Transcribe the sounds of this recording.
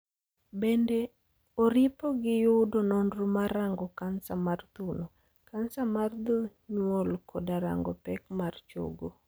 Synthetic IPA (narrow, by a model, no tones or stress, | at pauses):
bende | oɾɪpoɡɪjʊdononɾumaɾaŋɡɔkansamart̪uno | kansamard̪uɲwolkʰɔdaɾa̰ŋɡɔpɛkmart͡ʃo̰ɡo